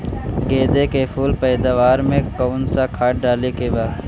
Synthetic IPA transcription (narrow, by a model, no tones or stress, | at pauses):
ɡeːd̪ekepʰuːlpɛːd̪aʋaːɾmẽkoːnsakʰaːʈ̚ɖaːlekebaːd̪